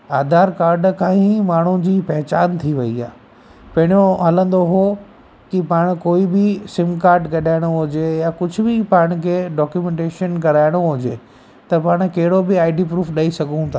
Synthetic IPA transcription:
aːd̪ʱaːɾkaːɾɖkʰãːĩmaːɳ̤ũd͡ʑiːpɛɦt͡ɕaːnt̪ʰiʋɐiaː | pɐ̃ɦɪɽjõɦɐlə̃nd̪oɦo | kɪpaːɽ̃koːibɪsɪ̃mkaːɾɖɡɐɗaːɪɽ̃oɦʊd͡ʑejakʊd͡ʑʱʊbɪpaːɽ̃kʰeːɖɔːkjumɛ̃ɳʈeːʃənkɐɾaːɪɽ̃oɦʊd͡ʑeː | t̪ɐpaːɽ̃kɐɦɪɽobɪaːɪɖipɾuːfɗaːisɐɡʱũt̪ʰaː

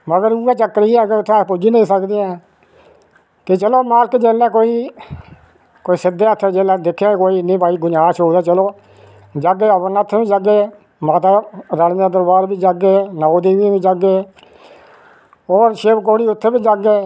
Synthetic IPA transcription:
məɡəɾuːaːt͡ʃəkːɾiːɛːkeʊt̪ʰːepʊd͡ʒineĩːsəkd̪eːɛ̃ː | t̪et͡ʃəloːmaːlɪkd͡ʒeːlːɛ̃ːkoːiː | koːiːsɪd̪eːət̪ʰːed͡ʒeːlãːd̪ɪkʰːeːkoːiːɪnːẽːpaːiːɡʊɲaːʃoːd̪aːt͡ʃəloː | d͡ʒəɡeːəbənat̪ʰːebiːd͡ʒəɡeː | maːt̪aːɾaɽd̪aːd̪əɾbaːɾbiːd͡ʒəɡeːnaːod̪iːbiːbiːd͡ʒəɡeː | ɔːɾʃɪːbkoːɽiːʊt̪ʰːeːbiːd͡ʒəɡeː

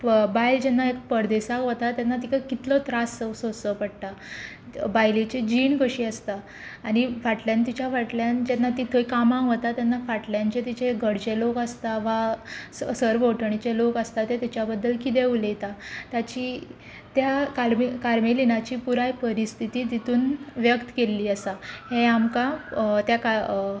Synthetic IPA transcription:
bajld͡ʑenːaekpəɽd̪esakɦot̪at̪janːat̪̬ikkit̪lɔt̪ɾasəsosəpəɽt̪a | bajlit͡ɕed͡ʑiːɳkəɕiːəst̪aː | ɽ̃ifaʈljant̪it͡ɕjafaʈljand͡ʑenːat̪it̪ʰojkamãkɦot̪at̪janːafaʈljant͡ɕet̪it͡ɕʰeɡʱəɽt͡ɕelokəst̪aʋassəɾboʈʰəɳit͡ɕelokəst̪at̪et̪it͡ɕjabəd̪ːəlkit̪̬eulet̪at̪jat͡ɕiː | t̪jakaɾmikaɾmelinat͡ɕiːpuɾajpəɾist̪ʰit̪iːt̪it̪uːnʋjəkt̪kelːiːəsaheamkat̪jaka

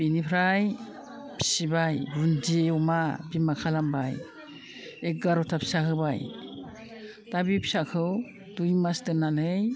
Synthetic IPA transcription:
binipʰɾaj | pʰi̥sibajɾund͡ʒiumabimakʰalambaj | ek̚ɡaɾɔtʰapʰi̥sakʰɯbaj | tabipʰi̥sakʰɯw | dujmasdɯnanɯj

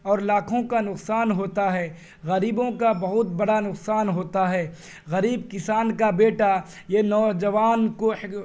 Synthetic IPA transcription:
ɔːɾlaːkʰõkanʊqsaːnɦoːt̪aɦɛː | ɣɐɾiːbõkabɐɦʊt̪̚bɐɽanʊqsaːnɦoːt̪aɦɛː | ɣɐɾiːbkɪsaːnkabeːʈa | jenɔːd͡ʒɐʋaːnko

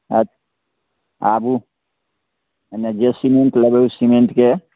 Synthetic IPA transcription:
ət̪ | abu | ned͡ʒesimeɳʈləbeusimeɳʈke

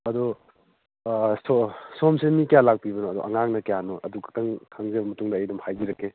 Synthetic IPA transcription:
ɐdɔ | sosomsemikijalak̚pibɐnɔɐdṵʔɐŋaŋnɐkijanɔʔɐdukɐtɐŋkʰaŋzebɐmɐtuŋdɐːjdɐmhajbiɾɐkːe

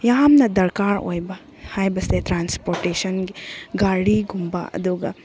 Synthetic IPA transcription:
jamnɐd̪ɐɾkaɾo̰jbɐ | hajbɐst̪etɾanspoɾʈesɐnɡiɡaɽiɡumbɐ̰ɐ̰d̪uɡɐ̰

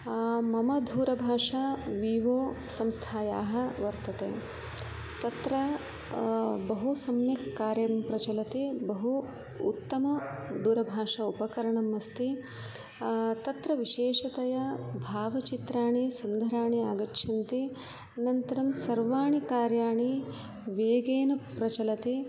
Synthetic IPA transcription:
mɐmɐd̪ʱuːɾɐbʱaːʂaʋiːʋoː | sɐmst̪ʰaːja̰ːɦɐʋɐɾt̪ɐt̪ḛː | t̪ɐt̪ɾɐ | bɐɦusɐmjɐkːaːɾjɐɾɐmpɾɐt͡ʃɐlɐt̪ibɐɦṵː | t̪ːɐmɐd̪uːɾɐbʱaːʂɐupɐkɐɾɐɳɐmːɐst̪i | t̪ɐt̪ɾɐʋiʃeːʂɐt̪ɐjɐbʱaːʋɐt͡ʃit̪ɾaːɳisund̪ɐɾaːɳiaːɡɐʈʃʰɐnt̪i | nɐnt̪ɐɾɐmsɐɾʋaːɳikaːɾjaːɳi | ʋeːɡeːnɐpɾɐt͡ʃɐlɐt̪i

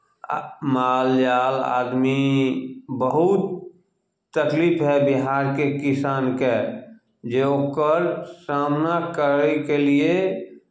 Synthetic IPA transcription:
maːljaːla̰ːd̪mi | bəɦut̪ | t̪əkliːpʰɦɛbɪɦaːɾkekɪsaːnke | d͡ʒeokəɾsaːmnakəɾkelie

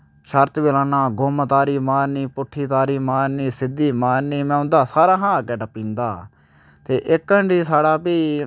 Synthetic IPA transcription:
ʃəɾt̪ʋɪlãːnaːɡomət̪aːɾiːmaːnːiːpʊʈʰːiːt̪aːɾiːmaːnːiːsɪd̪iːmaːnːiːmɛ̃ːʊnd̪aːsaːɾaːɦãːaːkɛːʈəpĩːnd̪aː | t̪eːʔɪkːəɳɖiːsaːɽaːpiː

